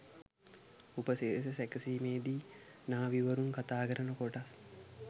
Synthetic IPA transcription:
upəsesesækəsiːmeːd̪iː | naːʋiʋəɾuŋkat̪aːkəɾənəkoʈas

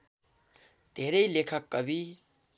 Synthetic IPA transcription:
d̪ʱeɾʌjlekʰəkːʌbʱi

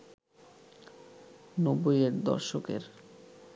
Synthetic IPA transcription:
nobojeɾd̪ɔ̰ɾʃokḛɾ

